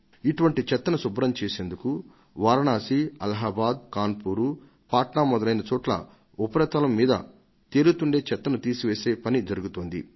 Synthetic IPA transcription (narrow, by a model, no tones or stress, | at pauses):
iʈuʋɐɳʈit͡ʃɛt̪ːɐnɐsubɾɐmt͡ʃeːse̞ːnd̪uku | ʋaːɾɐɳaːsiɐlɐɦaːbaːd̪kaːnpuːɾu | paːʈɳaːmɔd̪ɐlɐjnɐt͡ʃɔːʈlɐ̰ | upɐɾɐt̪ɐlɐmːiːd̪ɐ̰ | t̪eːɾut̪uɳɖe̞ːt͡ʃɛt̪ːɐnɐt̪iːsiʋeːseːpɐnid͡ʒɐɾuɡut̪oːnd̪ḭ